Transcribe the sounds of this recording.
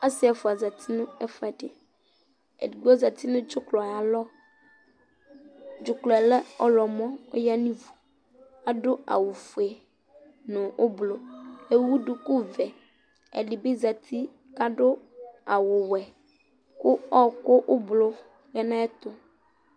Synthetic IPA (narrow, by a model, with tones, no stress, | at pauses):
a˦sɪ˦ɛ˨fʊ˨a˨za˨t̪ʰi˦nʊ̃˦ɛ˦fʊ˨˦ɛ˨dɪ̰˨ | ɛ̰˨ɡɔ˦za˨t̪i˦nʊ̃˦d͡ʒʊ˦klɔ˨a˨a˨lɔ˦ | d͡ʒʊ˨klɔ˨ɛ˨lɛ˦ɔ̰˦lɔ˨mɔ̃˦ʊ˦ja˦nĩ˦vu˨ | a˨dʊ˦a̰˨wʊ˨fu˨e˨ | nʊ̃˨ʔʊ˦blo˦e˨wu˦dʊ˨kʊ˦vɛ˨ | ɛ̰˨lɪ˨be˦za˨t̪ʰi˦ | ka˦ɖʊ˦a˨wʊ˨wɛ˨ | kʊ˦ɔ˦kʊ˦ʔʊ˦blo˦ | ɣɛ˦nã˦ɛ˦t̪ʊ˦